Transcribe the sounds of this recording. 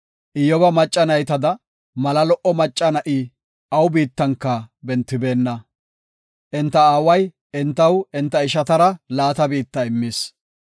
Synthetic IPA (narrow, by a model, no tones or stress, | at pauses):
ʔɪjɔbɐmɐt͡ʃʼːɐnɐjt̪ɐd̪ɐ | mɐlɐlɔʔɔmɐt͡ʃʼːɐnɐʔi | ʔɐwbiːt̪ːɐŋkːɐbɛnt̪ːɪbe̞ːnːɐ | ʔɪnt̪ːɐaːwɐj | ɪnt̪ːɐwɪnt̪ːɐɪʃɐt̪ɐɾɐlaːt̪ɐbiːt̪ːɐɪmːis